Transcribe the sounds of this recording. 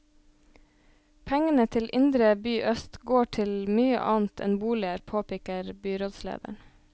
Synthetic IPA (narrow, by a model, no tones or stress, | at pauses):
pʰɛŋənət̪ʰɪlʔɪnd̪ɾəbyːʔœst̪ɡoːʈʰɪlmyːə̰ʔɑːnt̪ʰɛ̰nbuːlɪəɾpʰoːpɪkəɾbyːɾɔd̪slḛːd̪æ̰ɳ